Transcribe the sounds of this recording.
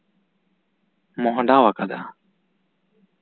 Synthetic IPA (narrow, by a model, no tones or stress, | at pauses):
mɔɦɔ̃ɖawakad̪a